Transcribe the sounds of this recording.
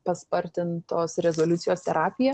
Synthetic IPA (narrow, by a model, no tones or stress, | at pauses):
pɐspɐɾʲt̪ʲɪnt̪oːsɾʲɛzolʲʊt̪sʲɪjoːst̪ʲɛɾɑːpʲɪjɛ